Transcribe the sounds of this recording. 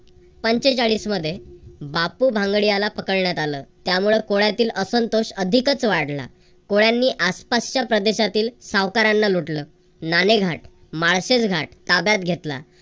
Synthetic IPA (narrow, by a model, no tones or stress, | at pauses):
pəɲt͡ɕet͡ɕaɭiːsməd̪ʱːjebapubʱãŋɡɭijalapəkəɭɳjat̪aləːt̪jamuɭekoɭjat̪iːləsənt̪oɕəd̪ʱikət͡sʋaɽla̰ | koɭjanːiːʔaspast͡ɕjapɾəd̪eɕat̪iːlsaʋkaɾanːaluʈləː | naneɡʱaʈ | maɭset͡sɡʱaʈ̚t̪abjat̪̚ɡʱet̪la̰